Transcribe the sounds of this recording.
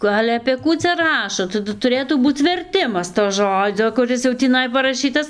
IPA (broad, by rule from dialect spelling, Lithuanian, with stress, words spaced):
ˈkʊ ˈɑːlʲɛ ɐpʲeː ˈkuː t͡sʲɛ ˈrɑːʃoː tɐˈdʊ tʊˈrʲeːtuː ˈbuːt͡s ʋʲɛrʲˈtʲɪmɐs toː ˈʒoːd͡zʲoː kʊˈrʲɪs jɛʊ tʲiːˈnɐɪ pɐrɐˈʃʲiːtɐs